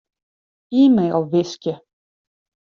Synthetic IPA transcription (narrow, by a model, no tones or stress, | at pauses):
iːmejlˠvɪskʲjə